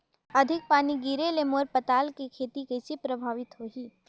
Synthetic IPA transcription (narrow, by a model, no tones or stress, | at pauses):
ɐd̪ʱɪk̚paːniɡiːɾelemoːɾpɐt̪aːlkikʰeːt̪ikesipɾɐbʱaːʋɪt̪ɦoːɦiː